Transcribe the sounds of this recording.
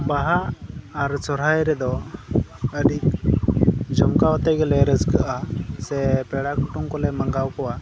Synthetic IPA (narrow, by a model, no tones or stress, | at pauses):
baɦaʔːɾsɔɾajɾɛd̪ɔ | əɖik̚ | d͡ʒɔmkawat̪əjɡɛlɛɾəskəʔasɛpɛɽakuʈuŋkɔlɛməŋɡawkɔwa